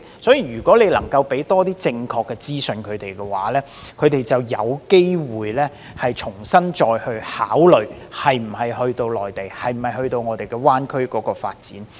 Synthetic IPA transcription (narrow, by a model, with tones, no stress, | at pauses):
sɔː˨˥jiː˨˩jyː˨˩kʷɔː˨˥le˨˧jlɐ̰˨˩ŋkɐ˧wpe˨˥jt̪ɔː˥t̪iː˥t͡sɪ˧ŋkʰɔː˧kːɛː˧t͡siː˥sɵ˧nkʰɵ˨˧ɥt̪e˨jkɛː˧wa̰ː˨˥lɛː˥ | kʰɵ˨˧ɥt̪e˨jt͡sɐ˨wjɐ̰˨˧wke˥jwuː˨˩jlɛː˥ | hɐ˨jt͡ʃʰʊ˨˩ŋsɐ˥nt͡ʃɔː˧jhɵ˧ɥhaː˨˥wlɵ˨˩ɥ | hɐ˨jm̩˨˩hɐ˨˩jhɵ˧ɥt̪o˧wlɔː˨jt̪e˨jhɐ˨˩jm̩˨˩ɐ˨˩jhɵ˧ɥt̪o˧wŋɔː˨˧t̪e˨jkɛː˧waː˥nkʰɵ˥ɥkɔː˨˥kɔː˧faː˧t̚t͡sḭː˨˥n